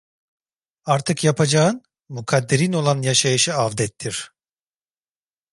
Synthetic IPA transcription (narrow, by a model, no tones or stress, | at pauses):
aɾt̪ʰɯkjapʰad͡ʒaɯn | mukʰad̪ːeɾino̞lˠanjaʃajɯʃɯavd̪ɛt̪ʰːiɾ̥